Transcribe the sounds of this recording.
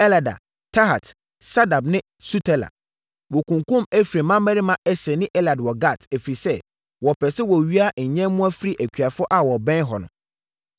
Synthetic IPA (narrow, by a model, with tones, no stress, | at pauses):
ɛ˦la˨da̰˨ | tʰa˦ɦa̰˨t | sa˦da˨bnɪ̃˦ | su˦tʰɛ˦˨la̰˨ | wo˨kʰũ˨ŋkũ˦mæ˦fi˨ɾe˨mã˦mɛ˦ɾi˦mã˦ʔɛ˦sɛ˨nɪ̃˦ʔɛ˦la˨dwɔ˨ɡa˦˨tʰæ˨fɾi˨sɛ˦ | wɔ˨pʰɛ˨sɛ˦wɔ˨ɥi˦a˦ɲ̩˨ɲɛ̃˦mʊ̃˦a˦fi˦ɾi˦ʔæ˨kʰᶣɥa˨fʊ˦ʔa˨wɔ˨bɛ̃˦ɦɔ˨nʊ̰̃˨